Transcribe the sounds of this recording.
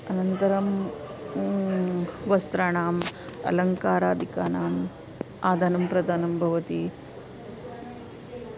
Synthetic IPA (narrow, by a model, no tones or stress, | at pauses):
ɐnɐnt̪ɐɾɐm | ʋɐst̪ɾaɳaːmɐ̰lɐŋkaːɾaːd̪ʱikaːnaːm | aːd̪ʱaːnɐmpɾɐd̪ʱaːnɐmbʱɐʋɐt̪i